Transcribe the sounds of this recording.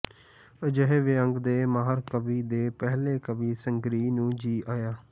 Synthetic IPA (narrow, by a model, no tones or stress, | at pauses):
əd͡ʒəɦeʋɪə̃ŋɡd̪eːmaːɦəɾkəbiːd̪eːpɛɦleːkəbiːsəŋɡɾiːnũːd͡ʒiːʔaːjaː